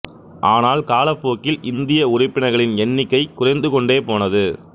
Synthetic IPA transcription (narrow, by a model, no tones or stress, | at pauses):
ʔaːnaːlkaːlɐpːoːkːɪlʔɪnd̪ɪjɐʊrɪpːɪɳɐɪɣɐɭɪnɛnːɪkːɐɪkʊrɐɪnd̪ɯkɔɳɖeːpoːnɐðɯ